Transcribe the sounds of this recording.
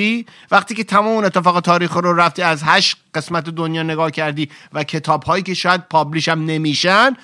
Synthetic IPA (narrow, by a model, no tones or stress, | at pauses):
iː | væχt̪iːcʰe̞t̪ʰæmɒːmeune̞t̪ʰːefɒːɣe̞t̪ʰɒːɾiːxɾoɾæft̪iːæzɦæʃɢe̞smæt̪ʰed̪onjɒːne̞ɡɒːhcʰæɾd̪iːvæcʰe̞t̪ʰɒːbhɒːjiːceʃɒːjæd̪̚pʰɒbliːʃæmne̞miːʃæn